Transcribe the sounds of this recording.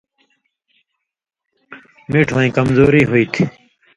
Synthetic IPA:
miːʈʰʋoĩːkəmzoːɾiːɦoiːt̪ʰi

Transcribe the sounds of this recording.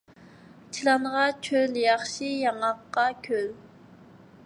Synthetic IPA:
t͡ʃʰilɑŋnʁɑt͡ʃʰøljɑχʃijɑŋɑqːɑkʲʰøl

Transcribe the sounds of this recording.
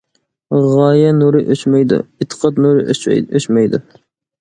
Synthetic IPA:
ʁɑːjɛnuɾɨʔøt͡ʃmɛjd̪ṵit̪ʰə̥qʰɑt̪nuɾɨøt͡ʃmɛjd̪ṵ

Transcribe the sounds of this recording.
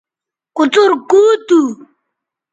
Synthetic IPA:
kut͡suɾkuːt̪u

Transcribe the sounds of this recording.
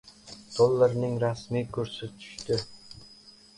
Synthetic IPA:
d̪̥olˠːɑɾnɪŋɾɑsmiːkʲʰɵɾsɪt̪ʰy̥ʃt̪ɪ

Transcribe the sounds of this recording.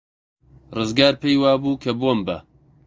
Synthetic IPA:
rɨzɡaːɾpʰejwaːbuːkʰɐboːmbɐ̰

